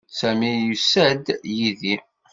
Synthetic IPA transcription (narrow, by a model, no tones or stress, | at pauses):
sæmijusæd̪jiði